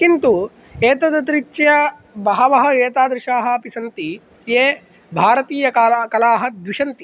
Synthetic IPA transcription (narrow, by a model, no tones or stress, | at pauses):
kint̪u | eːt̪ɐd̪ɐt̪ɾit͡ʃːɐjɐ | bɐɦɐʋɐɦɐeːt̪aːd̪ɾɪʂaːɦɐ̆ɐpisɐnt̪i | jeː | bʱaːɾɐt̪iːjɐkakɐlaːɦɐ̆d̪ʋiʂɐnt̪i